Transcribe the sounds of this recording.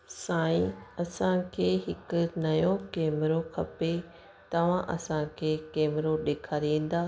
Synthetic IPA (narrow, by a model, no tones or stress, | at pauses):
sãːĩɐsãkʰeːɦɪkʊ̆nɐjõkeːmɪɾokʰɐpe | t̪ɐʋ̤ãʔɐ̰sãkʰeːkeːmɪɾoɗeːkʰaːɾiẽːn̆d̪aː